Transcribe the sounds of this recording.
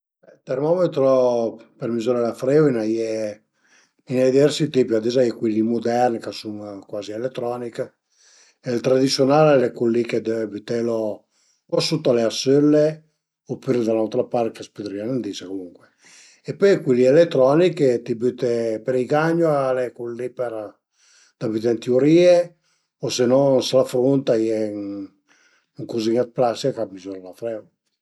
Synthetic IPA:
bɛlt̪ermɔmet̪ɾopeɾmizuɾalafɾewinaje | inajd̪ivɛɾsit̪ipiad̪ezajɛkwelːimud̪ɛrnkasuŋkwaːzielet̪ːɾɔnik | elt̪ɾad̪it̪sjonaːlelekulːiked̪əbyt̪elo | osut̪ːoaleasølːe | opyɾd̪alawt̪ɾapaɾkaspid̪ɾianend̪isakomuŋkwe | epøjkwilielet̪ːɾɔniket̪ibyt̪epeɾiɡaɲːoaalekulːipeɾ | d̪̥abyt̪ent̪iuɾiːe | osenɔnsalafɾunt̪ajɛŋ | ŋkuziŋat̪̚plasikamizuɾalafɾɛw

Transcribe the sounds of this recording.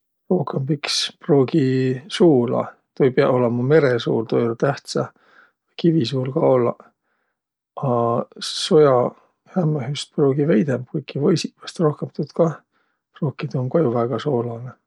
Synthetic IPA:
ro̞hkembiksproːɡisuːlɑ̰ | t̪ojpeɑʔo̞lemɑme̞ɾesṵːlt̪ojolt̪æht̪sɑ | kivisuːlkɑo̞lːɑ̰ | ɑso̞jɑ | hæmːɑɦyst̪̚proːɡ̥ivejd̪emp̚kujkːivɤjsipːɑst̪ro̞hkemt̪ud̪̥kɑ | proːkːˑit̪uoŋkojuvæɡ̥ɑso̞ːlɑne

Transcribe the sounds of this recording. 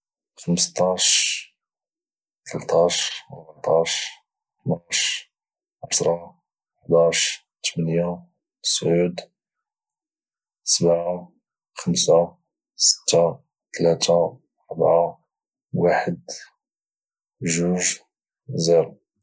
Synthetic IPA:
xəməst̪ˤɑʃ | t̪ʰəlt̪ɑʃəɾbʕt̪ˤɑʃ | naʃ | ʕasɾˤɑ | ħd̪ɑʃ | t̪ʰəmənja | sʕud̪ | səbʕa | xəmsa | sə̥t̪ːa | t̪læt̪a | ɑɾˤbʕa | waħəd̪ | ʒuʒ | ziɾu

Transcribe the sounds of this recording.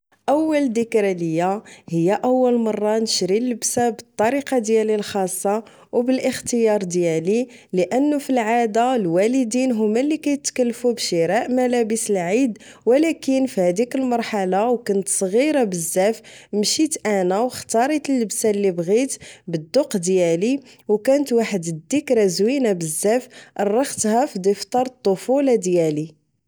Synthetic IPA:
ʔəwːəld̪əkɾæləjːæhəjːæʔəwːəlmɑrˤːɑnəʃɾilːəbsabət̪ˤːɑɾiqɑd̪jælilxɑsˤːɑ | wbəlʔəxt̪əjɑɾˤd̪jæliləʔənːʊfilʕad̪alwæləd̪inɦʊmːælːikæjət̪kəlːfubʃiɾɑʔmælæbəsəlʕid̪ | wəlækənfihæd̪ikəlmɑɾˤħalawkʊnət̪sˤɣiɾabəzːæfmʃit̪ʔænæwxt̪ɑɾˤit̪əlːəbsalːibɣit̪bəd̪ːuqd̪jæli | wkænət̪waħəd̪d̪ikɾæzwinabəzːæfʔɑrˤːɑxt̪hæfid̪ift̪ˤɑɾˤt̪ˤːofulɑd̪jæli

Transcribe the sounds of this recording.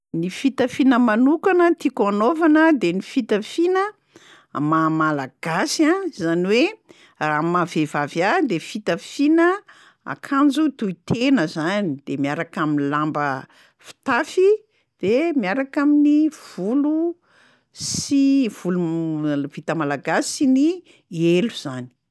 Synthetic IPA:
nifit̪əfinəmanukanət̪ikanovanəd̪enifit̪əfinə | mamalaɡ̥asiãzaniwe | raːmavevavjad̪efit̪əfinə | a̰kʰand͡zut̪uit̪ʰenəzanid̪̥emiaɾakaminlambə | fi̥t̪afi | d̪̥emiaɾakaminiv̥ulu | siv̥uluv̥it̪əmalaɡasini | eluz̥ani̥

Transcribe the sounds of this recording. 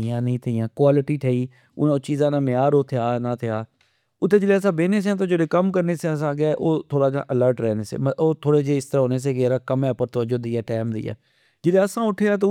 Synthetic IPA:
jãːnəĩːt̪ʰɪjãːkwaːlɪʈiːʈʰeːiː | ʊnãt͡ʃiːzãːnãːmɪaːɾoːt̪ʰjaːnãːt̪ʰɪjaː | ʊt̪ʰːeːd͡ʒɪleːəsaːbeːneːs̬eɛ̃ːt̪̬oːd͡ʒeːleːkəmkəɾneːseəs̬ãːɡaːʔoːt̪ʰoːɽaːd͡ʒa̰ːʔələɾʈɾɛːneːsḛːmoːt̪ʰoːɽeːd͡ʒeːɪst̪əɾaːɦoːneːs̬eːkɪɾaːkəmɛ̃ːpəɾt̪oəd͡ʒoːd̪iːɛːʈɛːmd̪ḭːɛ̰ː | d͡ʒɪleəsãːʊʈʰːeːãːt̪̬o

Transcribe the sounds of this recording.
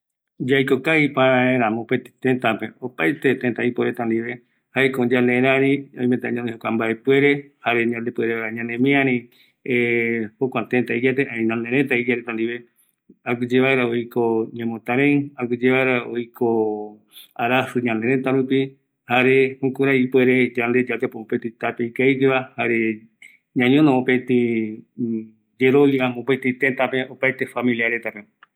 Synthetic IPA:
d͡ʒajkokaipaeaẽɾãmõpet̪it̪ẽnt̪apeopajt̪et̪ent̪aipoɾet̪and̪iʋe̞ | haekod͡ʒãneɾ̃ãɾĩõĩmẽt̪a̰ɲãnd̪ehokʷambaepwe̞ɾe̞haɾe̞ɲãnd̪epueɾeaaeɲãnẽmĩãɾĩ | ehokʷãt̪ẽnt̪aid͡ʒat̪eʔãĩnãnẽɾẽt̪aid͡ʒaɾet̪ãnd̪iβe | aɡɨd͡ʒeβaeɾaojkoɲẽmõt̪aɾẽakud͡ʒeβaeɾaojkʰo | aɾasɨɲãnd̪eɾẽt̪aɾupi | haɾehõkuɾaipueɾed͡ʒand̪ed͡ʒat̪epoõpet̪it̪apeikaikeβahaɾe | ɲãɲõnõõpet̪i | d͡ʒeɾojamõpajt̪it̪ent̪apeʔopajt̪efamĩliaɾet̪ape

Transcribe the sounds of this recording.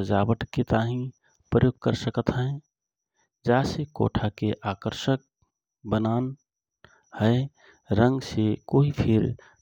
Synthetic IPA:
d͡ʒaːbəʈket̪aːɦĩ | pɾəjoːɡ̚kəɾsəkət̪ɦə | d͡ʒaːseko̰ːʈʰakeʔaːkəɾʃək̚ | bənaːn | həe | ɾə̃ŋɡsekoːɦipʰɪɾ

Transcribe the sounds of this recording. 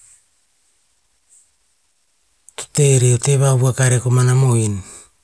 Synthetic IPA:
to̥te̞ɾiote̞βaβuakaɾekomanamoin

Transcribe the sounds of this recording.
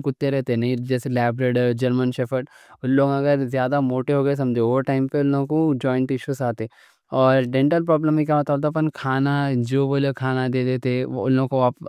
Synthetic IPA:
kʊt̪ːeɾɛɦt̪enɐɦĩd͡ʒɛːselɛːbɾeɖəɾd͡ʒɐɾmənʃefʰəʈ | ʊnloːɡɐɡəɾzjaːd̪amoːʈeɦoːɡɐes̬ɐ̃md͡ʒeɾʈaːɪmpeʊlõkod͡ʒɔːɪɳʈɪʃusaːt̪e | ɔːɾɖɛ̃ɳʈəlpɾɔːbləmĩkamɐt̪aːblt̪apənkʰaːnad͡ʒoːʋoloːɡkʰaːnad̪eːd̪eːt̪eʊ̰lːõkoaːp

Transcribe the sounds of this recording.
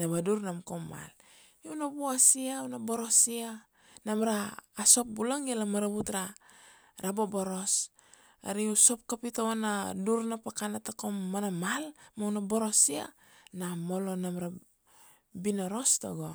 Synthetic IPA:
nabaduɾnamkomːa̰l | nabuasiawnaboɾosia | namɾaːso̞p̚bulaŋialamaɾaβutɾa | ɾaboboɾo̞s | a̰ɾiuso̞p̚kapitowanaduɾnapakanatakomːanamalmawnaboɾosia̰ | namo̞lonamɾa | binoɾo̞sto̰ɡo

